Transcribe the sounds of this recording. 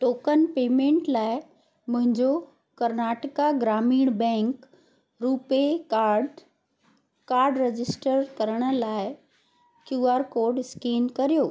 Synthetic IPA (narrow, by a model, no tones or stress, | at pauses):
ʈoːkənpeːmẽːɳʈlaːɪ | mʊ̃ɦɪ̃ɲd͡ʑo | kɐɾnaːʈɪkaɡɾaːmiːɽ̃bɛ̃ːŋk | ɾuːpeaɖ | kaːɾɖɾed͡ʑɪsʈəɾkɐɾəɽ̃ə̆laːɪ | kjuːaːɾkoːɾɖɪskiːnkɐɾijoː